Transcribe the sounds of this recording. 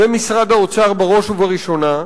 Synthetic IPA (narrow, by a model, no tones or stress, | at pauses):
emisʁad̪aot͡saʁbeʁo̞ʃuvaʁiʃo̞na